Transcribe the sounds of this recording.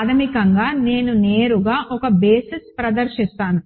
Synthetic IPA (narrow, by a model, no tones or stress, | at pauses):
d̪ɐmikɐŋɡaːne̞ːnuneːɾuɡaːʔɔkɐbeːsispɾɐd̪ɐɾʃist̪aːnu